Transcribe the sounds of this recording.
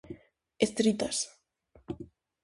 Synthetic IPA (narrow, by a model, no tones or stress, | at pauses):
est̪ɾit̪as